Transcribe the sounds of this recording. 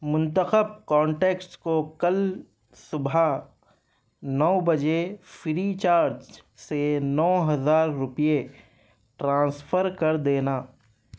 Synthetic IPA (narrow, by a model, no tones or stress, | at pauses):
mʊ̃nt̪əxəb̚kɔ̃ːɳʈeːkskokɐl | sʊbʱa | nɔːbɐd͡ʒefɾit͡ʃaːɾd͡ʒsenɔːɦɐzaːɾːʊpije | ʈɾãːsfʰəɾkɐɾd̪eːnaː